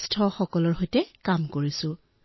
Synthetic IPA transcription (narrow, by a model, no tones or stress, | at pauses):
stʰɔxɔkɔlɔɹɦojtɛkamkoɹisʊ̃